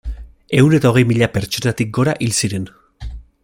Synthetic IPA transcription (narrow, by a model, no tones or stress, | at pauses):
e̞une̞t̪ao̞ɣe̞jmiʎape̞ɾt͡ʃo̞nat̪ik̚ɡo̞ɾaʔilsiɾe̞n